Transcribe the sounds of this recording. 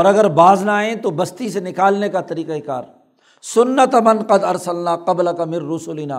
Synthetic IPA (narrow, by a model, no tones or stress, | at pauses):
ɔːɾɐɡəɾbaːznaːẽt̪obɐst̪isenɪkaːlnekat̪ɐɾiːqaɪka̰ːɾ | sʊnːət̪ɐmɐnqɐd̪ɐɾsɐlnaːqɐblɐkɐmɪnːʊsʊlinaː